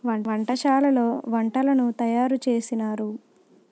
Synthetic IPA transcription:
ɐʋɐɳʈɐʃaːlɐlo̞ːʋɐɳʈɐlɐnut̪ɐjaːɾut͡ʃe̞ːsinaːɾu

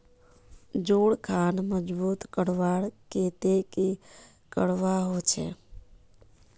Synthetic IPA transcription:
d͡ʒoːɽkʰaːnməd͡ʒbuːt̪kəɽʋaɽket̪eki | kəɽʋaɦot͡ʃʰḛ

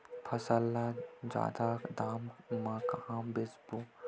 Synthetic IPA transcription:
pʰɐsəlːad͡ʒa̰ːd̪akd̪aːmmakãːmbɪsbu

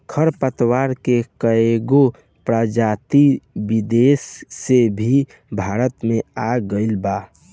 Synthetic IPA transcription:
kʰəɾpət̪waːɾkekəeɡo | pɾad͡ʒaːt̪ibid̪eːsːebʱi | bʱaːɾət̪mẽaɡəɪlbaː

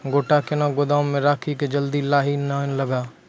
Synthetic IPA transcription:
ɡoːʈakenaɡʊd̪ãːmẽɾaːkʰiked͡ʒəld̪ilaːɦinanləɡaː

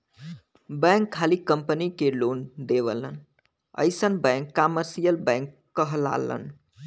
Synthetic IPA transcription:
bə̃ŋkʰːalikəmpənikelond̪ebə̰lə̰n | ə̰jsənbə̃ŋkːaməɾsijəlbɛ̃ŋkːəɦla̰lə̰n

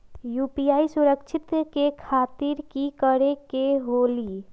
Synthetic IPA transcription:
jupijaisuɾəkt͡ʃʰit̪kekʰat̪iɾkikəɾekeɦoli

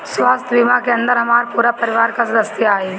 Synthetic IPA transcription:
swaːst̪ʰʋɪmakeɐ̃nd̪əɾɦɐmaːɾpuːɾapɐɾɪʋaːɾkasɾəst̪jaːe

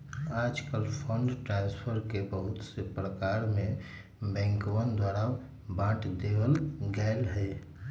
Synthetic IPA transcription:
aːd͡ʒkəlpʰəɳɖʈɾãnspʰəɾkebəɦʊt̪sepɾəkaɾmẽ | bɛ̃ːŋkowənd̪waːɾa | bãʈd̪ewəlɡaɪlɦɛ

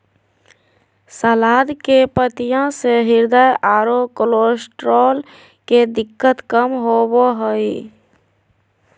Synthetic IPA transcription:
səlad̪kepət̪ijãseɦiɾd̪əjʔaɾokolosʈɾol | ked̪ikːət̪kəmɦoboɦəj

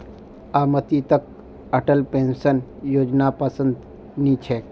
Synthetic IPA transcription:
aːmət̪it̪ək̚ | ɐʈəlpẽːnsənjoːd͡ʒnapəsə̃nd̪ | nit͡ʃʰeː

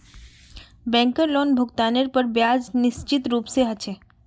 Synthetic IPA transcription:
bɛ̃ːŋkəɾloːnbʱʊɡt̪aːnəɾpəɾbjaːd͡ʒnɪst͡ʃɪt̪ɾuːpseɦɐt͡ʃʰe

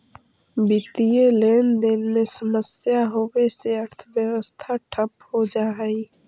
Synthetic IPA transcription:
bɪt̪ijeleːnd̪enmẽsəməsjaɦoweseəɾt̪ʰʋjəwəst̪ʰaʈʰəphod͡ʒaːɦĩ

